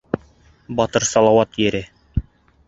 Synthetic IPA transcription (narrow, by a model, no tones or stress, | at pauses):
bɒt̪ɤɾsɑlˠɑwɑt̪jɘ̆ɾɘ